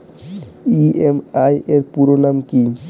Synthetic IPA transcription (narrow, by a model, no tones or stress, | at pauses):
iemajeɾpuɾonamki